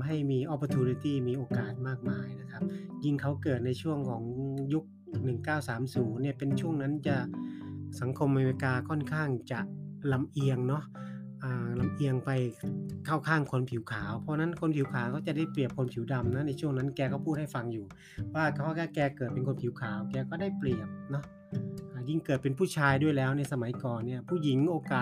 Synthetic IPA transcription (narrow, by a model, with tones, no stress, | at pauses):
ɦa˥˩jmiː˧ʔɔ˦˥pːə˧t̪ʰuː˧ni˧t̪iː˥˩miː˧ʔoː˧kaː˨˩t̪̚maː˥˩k̚maː˧jna˦˥kʰp̚ji˧˩ŋkʰa˦˥wkɤː˨˩t̪̚na˧jt͡ɕʰu˥˩əŋkʰɔː˩˦ŋju˦˥k̚ | nɯ˨˩ŋkaː˥˩wsaː˩˦msuː˩˦nːi˧˥˩əpe˧nt͡ɕʰu˥˩əŋna˦˥nt͡ɕa˨˩ | sa˨˩˦ŋkʰo˧mʔa˧me˧li˧kaː˧kʰɔ˥˩nkʰaː˥˩ŋt͡ɕa˨˩la˧mʔi˧əŋnɔ˦˥ | ʔaː˨˩la˧mʔi˧əŋpa˧jkʰaː˥˩wkʰaː˥˩ŋkʰo˧npʰi˩˦wkʰaː˩˦wpʰɔː˧na˦˥˨nkʰo˧npʰi˨˩˦wkʰaː˩˦wkɔː˥˩t͡ɕa˨˩da˥˩jpli˨˩əp̚kʰo˧˦npʰi˩˦wda˧mna˦˥na˧jt͡ɕʰu˥˩əŋna˦˥nkɛː˧kʰɔː˥˩pʰu˥˩ha˥˩jfa˧ŋjuː˨˩ | wwaː˧˥˩kʰɔ˧˥˩ka˥˩kɛː˧kɤː˨˩t̪̚pe˧nkʰo˧npʰi˩˦wkʰaː˩˦wkɛː˧kɔː˥˩da˥˩jpli˨˩əp̚nɔ˦˥ | ʔaː˨˧˩ji˥˩ŋkɤː˨˩t̪̚pe˧npʰuː˥˩t͡ɕʰaː˧jdu˥˩əjlɛː˦˥wna˧jsa˧ma˩˦jkɔː˨˩nːi˥˩ɐpʰuː˥˩ji˩˦ŋʔoː˧kaː˨˩